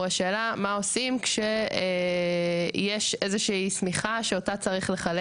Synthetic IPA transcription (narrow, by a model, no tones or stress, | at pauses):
aʃeːlamao̞simkʃee | jeʃezeʃiismiχaʃeotat͡saʁiχle̞χal